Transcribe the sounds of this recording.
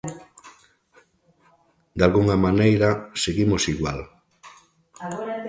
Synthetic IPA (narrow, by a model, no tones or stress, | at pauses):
d̪alɣuŋamanejɾaseɣimosiɣwa̰l